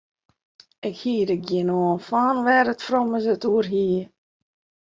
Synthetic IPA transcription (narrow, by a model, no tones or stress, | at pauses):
ɪkhiːədəɡjɪnoənfaːnʋɛɾətfrɔməsətuərɦiːə